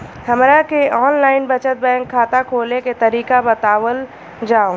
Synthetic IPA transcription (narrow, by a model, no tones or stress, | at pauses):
hɐmɾakeɔːnlaːɪnbət͡ʃət̪̚bɛ̃ːŋkʰːaːt̪akʰoːleket̪ɐɾiːkabɐt̪aːwəl | d͡ʒaːo